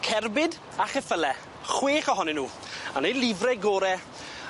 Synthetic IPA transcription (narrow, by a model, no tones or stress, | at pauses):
kʰɛrbɪd | aχɛfəlɛ | χweːχɔɦɔnɪnːuː | anejlˠɪvrɛɡoːɾɛ